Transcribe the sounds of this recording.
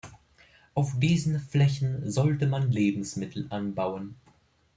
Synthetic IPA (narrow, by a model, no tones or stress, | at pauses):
ʔaʊfd̥iːzn̩flɛçn̩zɔltəmanleːbm̩smɪtʰl̩ʔanbaʊən